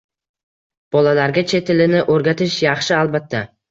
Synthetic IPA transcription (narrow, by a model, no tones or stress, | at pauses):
b̥ɒlalaɾɡʲat͡ʃʰe̞t̪ʰɪlɪnɪʔoɾɡʲat̪ʰɪʃjɑχʃɪalˠbat̪ʰːa